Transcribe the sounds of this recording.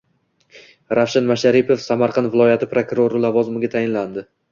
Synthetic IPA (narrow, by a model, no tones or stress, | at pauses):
ɾʔafʃanmaʃaɾɪpʰo̞fsamaɾqʰɑnvɪlˠɒjat̪ʰɪpɾokuɾoɾɪlavɒzɪmɪɡʲat̪ʰajɪnland̪ɪ